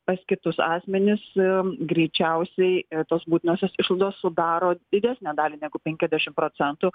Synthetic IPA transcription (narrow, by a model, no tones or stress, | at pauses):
pɐskʲɪt̪ʊsɑːsʲmʲɛnʲɪsɡɾʲɛɪt͡ʃʲɛʊsʲɛɪt̪oːsbuːt̪ʲɪnoːsʲoːsɪʃlˠɐɪd̪oːssʊd̪ɑːɾoːd̪ʲɪd̪ʲæsʲnʲæːd̪ɑːlʲinʲæːɡʊpʲɛŋʲkʲɛzʲd̪ʲæʃʲɪmpɾoːt͡ssʲɛnt̪ʊ